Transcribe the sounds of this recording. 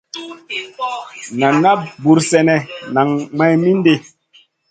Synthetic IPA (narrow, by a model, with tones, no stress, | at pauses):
na˨na˦bu˨ɾsɛ˦nɛ˨na˨ŋma˦jmi˦nde˦